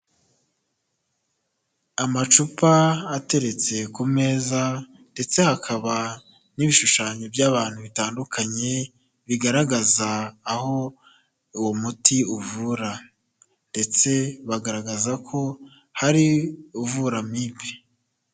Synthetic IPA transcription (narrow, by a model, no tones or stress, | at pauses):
amat͡ʃupaːte̞ɾe̞t͡se̞kume̞ːza | nde̞t͡se̞hakʰaβa | niβiʃuʃaːɲebjaːβaːn̥huβitaːndukʰaɲe̞ | βiɡaɾaɡazaːho̞ | uwomutiuvuɾa | nde̞t͡se̞βaɡaɾaɡazakʰo̞ | haɾiuvuɾamibe